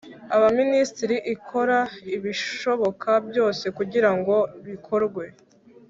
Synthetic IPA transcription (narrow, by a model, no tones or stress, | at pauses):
aβaministiɾiʔikʰo̞ɾaiβiʃo̞βo̞kʰabjo̞ːse̞kuɟiɾaŋɡo̞βikʰo̞ɾɡwe̞